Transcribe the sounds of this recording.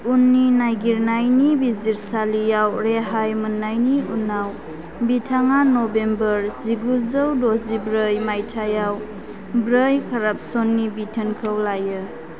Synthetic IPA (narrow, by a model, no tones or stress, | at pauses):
unːinajɡiɾnajnibiziɾsalijawɾeɦajmənːajniunːaw | bitʰaŋanobembəɾziɡuzəwdozibɾəjmajtʰajaw | bɾəjkʰaɾap̚sonːibitʰənkʰəwlajɯ